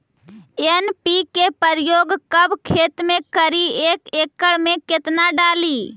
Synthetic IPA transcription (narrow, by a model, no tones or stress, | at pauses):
enpikepəɾjoːɡkəbkʰeːt̪mẽkəɾieːkeːkːəɽmẽkɪt̪naɖaːliː